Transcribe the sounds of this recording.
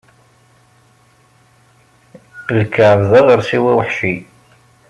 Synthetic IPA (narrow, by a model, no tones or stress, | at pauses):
lkʰːəʕəvðəʁəɾsiwæwəħʃi